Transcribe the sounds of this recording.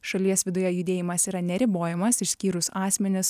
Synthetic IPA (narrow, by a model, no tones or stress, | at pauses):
ʃɐlʲiɛsʋʲɪd̪ʊjɛjʊd̪ʲeːjɪmɐsiːɾɐnʲɛɾʲɪboːjɛmɐsɪʃʲsʲkʲiːɾʊsɑːsʲmʲɛnʲɪs